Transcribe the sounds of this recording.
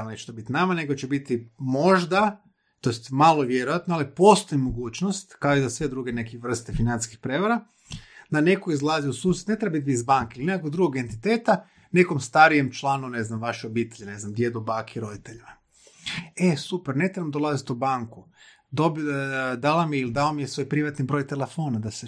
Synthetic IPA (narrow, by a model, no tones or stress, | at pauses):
net͡ʃe̥t̪obit̪inamane̞ɡot͡ʃebit̪imo̞ʒd̪a | t̪ojest̪malˠoʋjeɾojat̪noalipo̞st̪o̞imoɡuːt͡ʃnost̪kaizasʋed̪ɾuɡenekiʋr̩st̪efinanskixpɾeʋaɾa | d̪ane̞koizlˠaziusuːset̪ne̞t̪ɾebit̪biizbaŋkeilineakoɡd̪ɾuɡoɡe̞nt̪it̪eːt̪a | ne̞komst̪aɾijemt͡ʃlˠaːnune̞znamʋaʃeobiːt̪e̞ʎene̞znamd̪jed̪obaːkʰeiɾo̞d̪it̪eʎima | esupeɾne̞t̪ɾeamd̪olˠazit̪ubaŋku | d̪obd̪alamiilid̪aomijesʋo̞jpɾiʋat̪nibɾo̞ːjt̪elefo̞ːnad̪ase